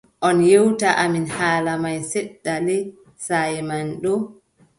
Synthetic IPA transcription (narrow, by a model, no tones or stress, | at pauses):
ʔɔnjewtaʔaminhaːlamajsɛɗːalɛ | sajmanɗɔ